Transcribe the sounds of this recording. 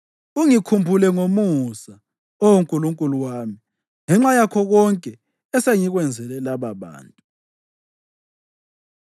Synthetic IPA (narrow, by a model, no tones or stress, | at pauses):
uŋikʰumbʱulɛŋomusa | owoŋkʼuluŋkʼuluwaːmi | ŋɛŋ͡ǁajakʰɔɣɔŋkʼɛ | ɛseŋiɣwɛnd͡zʱɛlɛlaβaβa̰ːntʼu